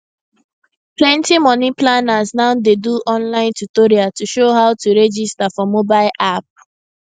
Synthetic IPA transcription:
plɛ̃ntimɔniplanaznaʊdeduʔɔ̃nlãɪ̃ntutoɾiatuʃoɦaʊtuɹɛd͡ʒistafɔmobaɪlʔap̚

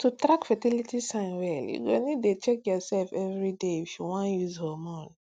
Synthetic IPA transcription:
tʰutɾakfatilitisãnwɛljṵɡonidet͡ʃɛk̚jɔsɛlfɛvɹideiʃiwãnjuzhɔmɔ̃n

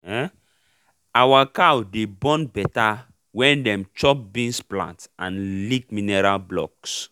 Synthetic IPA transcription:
ɛ | awakawdebɔ̃nbɛta | wɛ̃ndɛ̃mt͡ʃɔp̚bĩnsplã̰ntãnlikminɛɾalblɔ̰ks

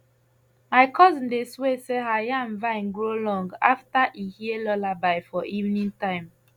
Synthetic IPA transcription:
maɪkʰɔz̃ndesweseɦajãnvãɪ̃nɡɹolɔ̃ŋɡaftaʔihiəlɔlabaɪfɔʔivnĩŋtãɪ̃m

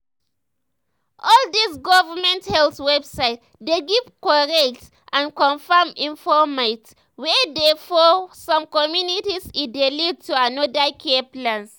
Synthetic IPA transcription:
ʔɔldisɡɔvəmɛ̃nthɛlswɛbsaɪt | d̪eɡivkɔɹɛk̚t | ʔãnkɔ̃nfəmĩɱfɔmat | wɛdɛfɔsɔ̃mkɔmjunitisidelid̚tuanɔdakʰeplãns

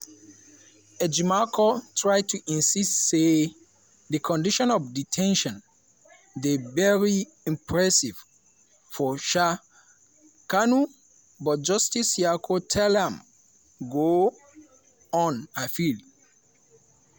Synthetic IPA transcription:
ɛd͡ʒimakʰotʰɹaɪd̚tʰuʔĩnsistse | ðəkʰɔ̃ndiʃɔ̃nɔvditʰɛ̃nʃɔ̃n | devɛɹi | ĩmpʰɹɛsiv̥ | fɔʃa | kanu | bɔd͡ʒɔstisiakʰotʰɛlɛ̃m | ɡo | ɔ̃nafil

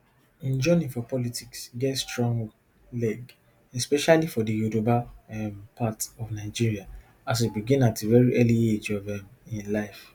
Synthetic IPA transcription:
ĩnd͡ʒɔnĩfɔpɔlitʰiksɡɛtstɹɔ̃ŋɡ | lɛɡ | ɛspɛʃalifɔdijudobaɛmpatɔvnaɪd͡ʒiɹia | as̬ebiɡĩnatevɛɹiʔɛlied͡ʒɔvɛ̃mĩnlaɪf

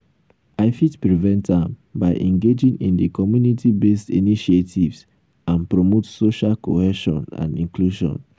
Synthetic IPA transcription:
aɪfitpɹivɛ̃ntãmbaɪʔɛ̃ŋɡed͡ʒĩŋĩndikɔmjunitʰibestiniʃietʰivs | ãnpɹomotsoʃalkohɛʃɔ̰̃nã̰nĩŋkluʃɔ̰̃n

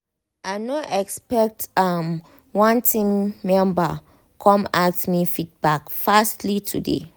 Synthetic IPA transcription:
aɪnɔʔɛkspɛk̚tam | wɔ̃ntʰĩŋmɛ̃mba | kʰɔ̃matmifit̚bakfastlitʰudḛ

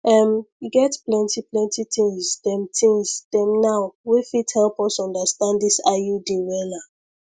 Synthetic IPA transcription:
ʔɛmjuɡɛtplɛ̃ntiplɛ̃ntit̪ĩŋsdɛ̃mtʰĩŋsd̥ɛ̃mnawwifithɛlpɔsɔ̃ndəstãnddisajudiwɛla

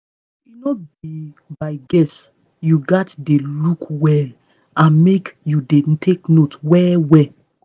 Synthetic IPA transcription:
inɔbi | baɪɡɛs | juɡatdelukwɛl | ãnmekjudetʰeknotwɛwɛ

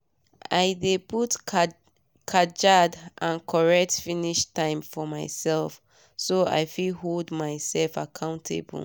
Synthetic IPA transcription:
ʔa̰ɪdeput | kʰad͡ʒadʔãnkʰɔɹɛk̚tfiniʃtãɪ̃mfɔmaɪsɛlˠf | soa̰ɪfilɦoldmaɪsɛlfakʰãʊ̃ntʰḛb̰l̩

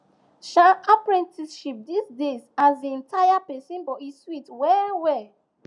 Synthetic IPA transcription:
ʃaapɹĩntiʃip̚disdezazdiɛ̃ntʰajapɛsĩnbɔiswitwɛwɛ

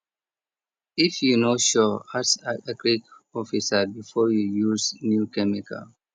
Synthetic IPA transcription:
ifjunoʃɔasaakɹikɔfisabifɔjujuznjukɛmikʰa̰l

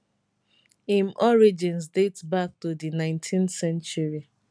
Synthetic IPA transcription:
imʔɔɹid͡ʒĩnsdetbak̚tudinãɪ̃ntʰĩnθsɛ̃nt͡ʃuɹi

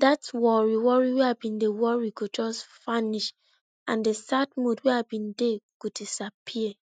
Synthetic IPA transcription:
datwɔɹiwɔɹiweabĩndewɔɹiɡod͡ʒɔsfaniʃ | ãndesadmodweabĩndeɡ̥odisapʰiɛ

